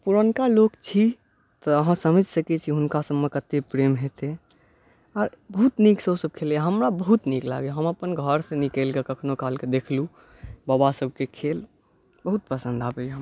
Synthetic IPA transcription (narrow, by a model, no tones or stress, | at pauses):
puɾənkalokt͡ʃʰi | t̪ɔːɦãsəməd͡ʒʱsəkɛt͡ʃʰiɦʊnkasəbmekət̪epɾemɦet̪e | əɾbəɦut̪niksosəb̚kʰeljaɦəmɾabəɦut̪nikla̰ɡeɦəməpənɡʱəɾsẽnikelkekəkʰnokalked̪ekʰlu | babasəb̚ʱkekʰel | bəɦut̪̚pəsə̃nd̪abeɦəm